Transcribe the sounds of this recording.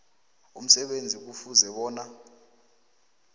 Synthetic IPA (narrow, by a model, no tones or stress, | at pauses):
um̩sɛɓend͡zʱik̬ufuzɛɓɔːna